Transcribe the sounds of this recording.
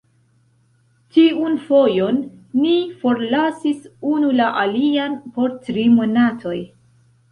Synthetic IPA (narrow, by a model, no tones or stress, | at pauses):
tiunfo̞jo̞nːifo̞ɾlasisunulaʔalianpo̞ɾtɾimo̞natʰo̞j